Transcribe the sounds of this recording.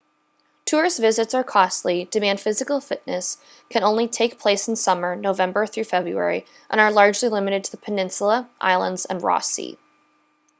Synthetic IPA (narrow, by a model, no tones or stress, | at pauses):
tʰʊɹzvɪzɨtsə˞kʰɔstˡlidɨmæ̃nd̥fɪzɨkl̩ˠfɪtⁿnɨs | kʰɨ̃ñõʊ̃nlitʰeɪk̚pʰl̥eɪsn̩sʌmə˞noʊvɛ̃mbə˞θɹʉfɛbɹʉ̰ɛ̰ɹi | ʔə̰̃ñə˞lɑɹd͡ʒlilɪ̃mɨɾɨd̚tʰɨðəpʰɨnɪ̃nsl̩ˠəʔa̰ɪlˠə̰̃ndz̥ə̰̃nɹɔ̰sḭ